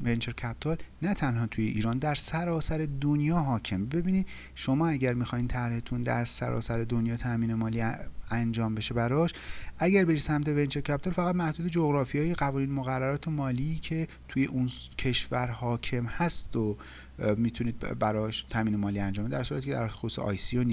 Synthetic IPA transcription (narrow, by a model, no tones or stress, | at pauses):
vent͡ʃʰeɾcʰæp̚t̪ʰɒlnæt̪ʰænhɒːt̪ʰuje̞ʔiːɾɒːnd̪æɾsæɾɒːsæɾe̞d̪onjɒːɦɒːcʰe̞mbe̞biːniːd̪ | ʃomɒːæɟæɾmixɒːhiːnt̪ʰæɾhe̞t̪ʰund̪æ̰ɾsæ̰ɾɒ̰ːsæɾe̞d̪onjɒːt̪ʰæmiːnemɒːliːænd͡ʒɒːmbe̞ʃebæɾɒːʃʔæɟæɾbe̞ɾisæmt̪ʰe̞vent͡ʃʰeɾcʰæp̚t̪oɾfæɣæd̪mæhd̪uːd̪e̞d͡ʒoɣɾɒːfijɒːjeɣævɒːniːnmoɣærːæɾɒːt̪ʰe̞mɒːliːcʰe̞ | t̪ʰuje̞ʔuncʰe̞ʃvæɾhɒːcʰe̞mhæst̪o | miːt̪ʰuniːd̪̚bæɾɒːʃt̪ʰæmiːnemɒːliːænd͡ʒɒmbed̪æɾsuːɾæt̪icʰed̪æ̰ɾxosusḛʔɒ̰ːjsioni